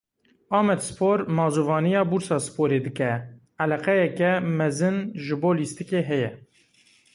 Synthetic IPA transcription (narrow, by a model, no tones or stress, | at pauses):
ɑːmɛd̪sɨ̥poːɾmɑːzuːvɑːnijɑːbuːɾsɑːsɨ̥poːɾeːd̪ɨkɛ | ɛlɛqɛjɛkɛmɛzɨnʒɨboːliːst̪ɨkeːɦɛjɛ